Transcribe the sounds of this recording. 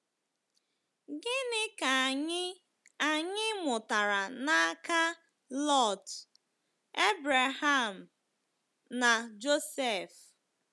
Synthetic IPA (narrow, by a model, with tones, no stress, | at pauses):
ɡɪ˦nɪ˦ka˨ɲɪ˦ | a˨ɲɪ˦mʊ˨ta˨ɾa˨na˦ka˦ | lɔ˦˨t | e˦bɾa˨ɦa˦˨m̩˨ | na˨d͡ʒo˦se˦˨f